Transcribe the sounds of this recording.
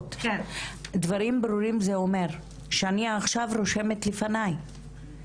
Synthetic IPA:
t̪ | d̪vaɾimbɾuɾimzeo̞me̞ʁ | ʃeaniaːχʃavɾo̞ʃe̞met̪lefanaj

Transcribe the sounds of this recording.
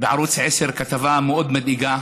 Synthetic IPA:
bɪʕɑɾuːt͡sʕɪsɪɾkat̪avaːmʊʔʊd̪mad̪ʔɪɡaː

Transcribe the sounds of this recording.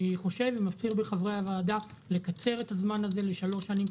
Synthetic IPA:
iχo̞ʃe̞vimaft͡siʁbeχavʁeavaːda | le̞kat͡se̞ʁe̞thazmanaze̞le̞ʃalo̞ʃanim

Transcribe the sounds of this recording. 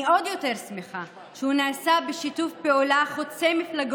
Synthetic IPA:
odjo̞te̞ʁsmeχa | ʃeunaːsabeʃitufpeolaχot͡sejmiflaɡ

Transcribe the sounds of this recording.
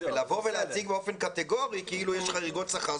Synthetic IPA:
velavo̞veleat͡siɡ̚beofe̞nkat̪eɡo̞ʁikiilujɛʃχaʁiɡo̞t̪saχa

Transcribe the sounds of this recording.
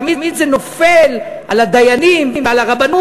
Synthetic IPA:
mimid̪zeno̞felʔalad̪ajanimalaʁabanu

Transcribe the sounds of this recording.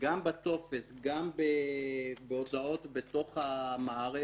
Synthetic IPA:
ɡambat̪o̞fesɡambebeo̞d̪ao̞t̪bet̪o̞χhamaːʁe

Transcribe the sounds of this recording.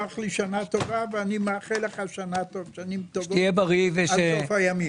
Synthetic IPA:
aχliʃanat̪ovaveanimeaχeləχaʃanat̪ovʃanimt̪ovijebaʁiveasofajami

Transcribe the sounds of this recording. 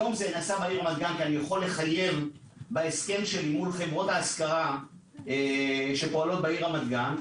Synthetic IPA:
jo̞mzenasabaiʁamad̪̚ɡankianijaχolːe̞χaje̞v | baeske̞mʃelimulχevʁo̞t̪aːskaʁa | eʃe̞po̞alo̞t̪̚baiʁamad̪ɡan

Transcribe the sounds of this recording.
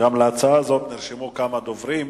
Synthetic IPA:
ɡamleat͡saazo̞t̪niʁʃimukamad̪o̞vʁim

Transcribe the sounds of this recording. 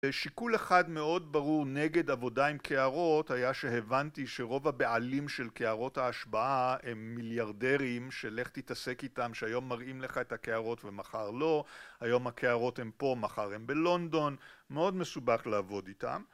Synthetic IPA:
eʃikuleχadme̞o̞dbaʁuʁneɡe̞davo̞daimkʰe̞aʁo̞thajaʃe̞evantiʃe̞ʁo̞vhabealimʃe̞lkeaʁo̞thaːʃbaʔaemːiljaʁde̞ʁimʃele̞χt̪itase̞kitamʃeajo̞mːaʁimleχaethakeaʁo̞tve̞maχaʁlo̞hajo̞mhakʰeaʁo̞the̞mpo̞maχaʁe̞mbe̞lo̞nd̪o̞nmeo̞dme̞subaχlaːvo̞dita̰m

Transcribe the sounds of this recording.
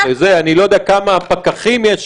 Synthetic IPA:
ezeanilo̞jod̪eaakamaːpakaχimjeʃ

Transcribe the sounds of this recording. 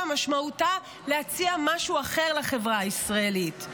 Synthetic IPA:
amaʃmauta | lehat͡siamaʃuaχe̞ʁlaχe̞vʁaisʁaelit

